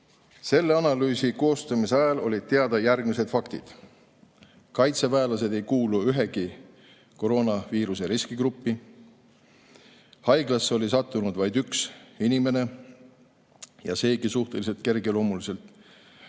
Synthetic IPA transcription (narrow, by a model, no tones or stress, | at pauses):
se̞lːeɑnɑlyːsiko̞ːst̪ɑmiseɑjɑlo̞lʲid̥̪̚t̪e̞ɑd̪̥ɑjærɡ̥mise̞d̪̥fɑkt̪ḭd̪̥ | kɑjt̪sevæelɑs̬e̞d̪̥e̞jkuːluyɦe̞ɡ̥i | ko̞ɾo̞ːnɑviːɾuse̞ɾiskiɡɾupːi | hɑjɡ̥lɑsːo̞lʲis̬ɑt̪ːˑunud̪̥vɑjd̪yksinime̞ne̞ | jɑse̞ːɡ̥isuht̪e̞lise̞lt̪̚ke̞rɡ̥elo̞ːmulise̞lt̪ˑ